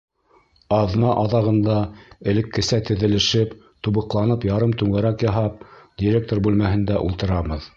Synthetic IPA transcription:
ɑðnɑʔɑðɑʁɤ̆nd̪ɑɘ̆lɘ̆kːɘ̆sæt̪ɘ̆ðɘ̆lɘ̆ʃɘp | t̪uβɤ̆qlˠɑnɤpjɑɾɤmt̪ʉŋæɾækjɑɦɑp̚d̪ʲiɾʲek̚t̪oɾbʉlmæɦɘ̆nd̪æʔulˠt̪ɤ̆ɾɑβɤð

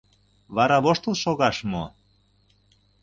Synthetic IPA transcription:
βɑɾɑβoʃt̪əlʃoɣɑʃmo

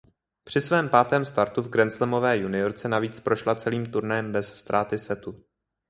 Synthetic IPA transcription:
pr̝̥ɪsvɛːmpaːt̪ɛːmst̪aɾt̪uvɡɾɛnt͡slɛmo̞vɛːjunɪo̞ɾt͡sɛnaviːt͡spɾo̞ʃlat͡sɛliːmt̪uɾnajɛmbɛsst̪ɾʔaːt̪ɪsɛt̪u

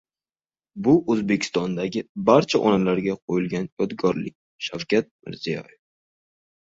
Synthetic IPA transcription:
bʊʔɵzbekʲʰɪ̥st̪ɒnd̪aɡʲɪbaɾt͡ʃʰaʔɒnalaɾɡʲaqʰojɪlɡʲanjɒd̪ɡɒɾlɪk̚ʲ | ʃawkʲʰat̪̚mɪ̰ɾz̥ijɒ̰jef

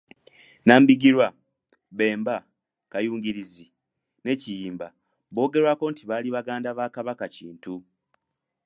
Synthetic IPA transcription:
naːmbiɡiɾwa | βe̞ːmba | kajuːŋɟiɾizi | ne̞cijiːmba | βo̞ːɡe̞ɾwako̞ntiβaːliβaɡaːndaβaːkaβakaciːntu

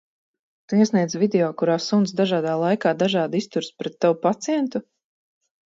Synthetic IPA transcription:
t̪uiɛsniɛd̪zvid̪ʲɛoːkuɾaːsunsd̪aʒaːd̪aːlˠajkaːd̪aʒaːd̪ist̪uɾspɾɛt̪ːawupat̪sijɛnt̪u

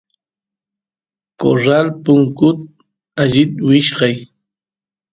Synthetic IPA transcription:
ko̰ɾalpʊŋkʊt̪̚ | aʎɪt̪wɪʃɢɑj

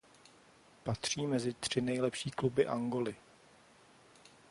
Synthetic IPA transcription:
pat̪r̝̥iːmɛzɪt̪r̥ɪnɛjlɛpʃiːklubɪʔaŋɡo̞lɪ

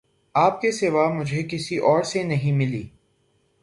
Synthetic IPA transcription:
aːp̚kesɪʋamʊd͡ʒʱekɪsiʔɔːɾsenɐɦĩmɪliː

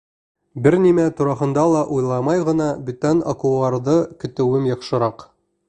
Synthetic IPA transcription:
bɘɾnimæt̪uɾɑɦɤ̆nd̪ɑlˠɑʔujlˠɑmɑjʁɤ̆nɑbɵ̆t̪æno̰kuɑɾðɤkɵ̆t̪ɘ̆wɘmjɑχʃɤ̆ɾɑq

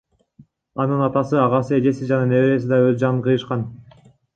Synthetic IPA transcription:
ɑnɯnɑt̪ɑsɯɑʁɑsɯe̞d͡ʒe̞sid͡ʒɑnɑne̞βeɾe̞sid̪ɑøzd͡ʒɑnɯnqʰɯjɯʃqɑn

